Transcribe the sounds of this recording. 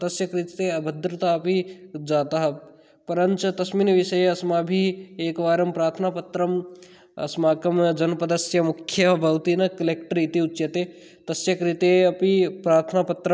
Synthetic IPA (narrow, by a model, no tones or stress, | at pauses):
t̪ɐsjɐkɾit̪t̪eɐbʱɐd̪ɾɐt̪aɐpid͡ʒaːt̪aɦɐ | pɐɾɐnt͡ʃɐt̪ɐsmiːnʋiʃɐjeɐsmaːbʱieːkʋaːɾɐmpɾaːɾt̪ʰɐnaːpɐt̪ɾɐm | ɐ̰smaːkɐmd͡ʒɐnpɐd̪ɐsjɐmukʰːjɐbʱɐwt̪inɐkɐlek̚ʈɐɾit̪iut͡ʃːt͡ʃjɐt̪eː | t̪ɐsjɐkɾit̪eɐpipɾaːɾt̪ʰnaːpɐt̪ɾɐ